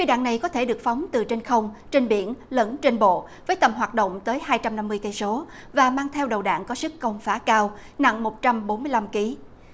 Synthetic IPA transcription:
xi˧ɗa̰ː˧˨ŋna˨˩jkɔ˨˦t̪ʰe˧˩ɗɨ˨˩ək̚fa˨˦wŋ͡mt̪ɨ˨˩t͡ɕe˧nxə˧wŋ͡mt͡ɕe˧nɓḭ˧˩˨ənlə˧˥nt͡ɕe˧nɓo̰˧˨ | vəː˨˦jt̪ə˨˩mɦwaː˨˩t̚ɗo̰˧˨wŋ͡mt̪əː˨˦jhaː˧jt͡ɕa˧mna˧mːɨ˧əjkə˧jso˨˦ | vaː˨˩maː˧ŋt̪ʰɛ˧wɗə˨˩wɗa̰ː˧˨ŋkɔ˨˦sɨ˦˥kːə˧wŋ͡mfaː˨˦kaː˧wna̰˧˨ŋmo˨˩t̚t͡ɕa˧mɓo˨˦nmɨ˧əjla˧mki˨˦

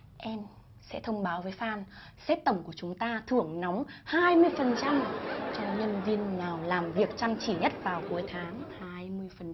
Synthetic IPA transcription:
ʔɛ˧m | sɛ̰˧˥t̪ʰə˧wŋ͡mɓaː˨˦wvəː˨˦jfaː˧˩nsɛ˦˥t̚t̪ə˧˩wŋ͡mku˧˩ət͡ɕʊ˨˦ŋ͡mt̪aː˧t̪ʰɨ˧˩əŋnɔ˨˦wŋ͡mhaː˧jmɨ˧əjfə˨˩nt͡ɕa˧mt͡ɕɔ˧wŋ͡mɲə˧nvi˧ənːaː˨˩wlaː˨˩mvi˨˩ək̚t͡ɕa˧mt͡ɕi˧˩ɲə˦˥t̚vaː˨˩wku˨˦əjt̪ʰaː˨˦ŋhaː˧jmɨ˧əjfə˨˩n

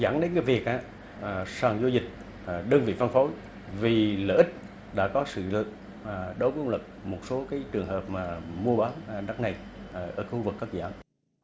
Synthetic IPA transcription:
za̰˧˩ŋɗe˨˦nkaː˨˦jvi˨˩ək̚ʔa̰ː˧˨˩ | saː˨˩ŋzo˧zï˨˩k̟̚ | ɗəː˧nvḭ˧˨va˧nfo˨˦j | vi˨˩ləː˧˩ʔi˦˥k̟̚ | ɗa̰ː˧˥kɔ˨˦sɨ̰˧˨ɨ̰˧˨˩ | ɗo˨˦vəː˨˦ʔŋ͡mlə˨˩k̚mo˨˩t̚so˨˦kaː˨˦jt͡ɕɨ˨˩əŋhəː˨˩p̚maː˨˩mu˧əɓaː˨˦n˨na˦˥k̚na˨˩jʔʔəː˧˩xu˧vɨ˨˩k̚ːaː˦˥k̚za̰ː˧˩m

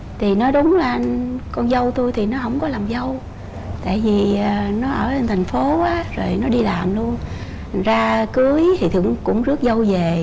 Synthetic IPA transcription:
t̪ʰi˨˩nɔ˨˦jɗʊ˨˦ŋ͡mlaː˨˩ʔa˧nkɔ˧nzə˧wt̪u˧jt̪ʰi˨˩nɔ˨˦ɦə̰˧˩wŋ͡mkɔ˨˦laː˨˩mzə˧w | t̪a̰ː˧˨jvi˨˩əː˨˩nɔ˨˦ʔəː˧˩t͡ɕə˧nt̪ʰjŋ̟fo˨˦ʔaː˨˦zo˨˩jnɔ˨˦ɗi˧laː˨˩mlu˧ən˨ | zaː˧kɨ˨˦əjt̪ʰi˨˩t̪ʰɨ˧˩əŋkʊ̰˧˥ŋ͡mzɨ˦˥ək̚zə˧wve˨˩

